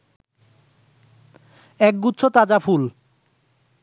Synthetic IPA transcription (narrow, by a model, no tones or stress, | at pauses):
ɛk̚ɡutːɕʰot̪ad͡ʑapʰul